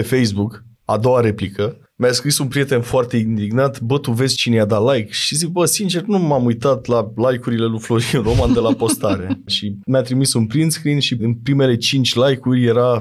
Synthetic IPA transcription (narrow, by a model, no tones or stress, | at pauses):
efe̞jsbuk | a̰d̪o̞waɾe̞plikə | mjaskɾisunpɾije̞t̪e̞nfoart̪e̞ind̪iɡnat̪bət̪uve̞zt͡ʃinejad̪alajkʃizik̚bəsint͡ʃe̞rnumamujt̪at̪lalajkuɾile̞luflo̞ɾiuɾo̞mand̪e̞lapo̞st̪aɾe̞ʃimjat̪ɾimisunpɾinskɾinʃiɨnpɾime̞le̞t͡ʃint͡ʃʲlajkurʲje̞ɾa